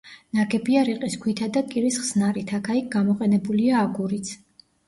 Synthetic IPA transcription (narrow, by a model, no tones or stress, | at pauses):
naɡɛbiaɾiqʼiskʰwit̪ʰad̪akʼiɾisχsnaɾit̪ʰakʰaik̚ɡamɔqʼɛnɛbuliaːɡuɾit̪sʰ